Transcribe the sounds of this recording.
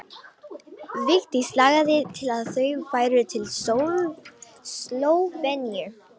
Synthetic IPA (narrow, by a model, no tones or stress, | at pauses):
vɪxt̪islaːɣaðɪt̪ʰɪlaðθœɥfaːjɾt̪ʰɪlo | slowvɛnjɛɹ